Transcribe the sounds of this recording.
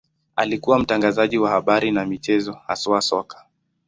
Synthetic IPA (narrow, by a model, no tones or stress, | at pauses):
a̰likuwam̩taŋɡazaʄiwahaɓaɾinamit͡ʃɛzɔha̰sɔasɔkḁ